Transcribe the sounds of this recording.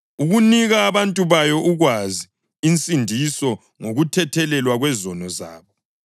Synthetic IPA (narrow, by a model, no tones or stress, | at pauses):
uɣuniɣaːβantʼuβajɔʔuɣwaziː | nt͡sʼindʱisɔ | ŋoɣutʰɛtʰɛlɛlwaɣwɛzɔnɔza̰ːβɔ